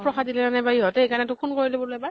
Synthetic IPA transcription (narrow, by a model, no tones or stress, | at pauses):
pɹɔxadilɛnanabajiɦɔtejkanɛtʊkʰunkoɹilɛbɔlojbaɹ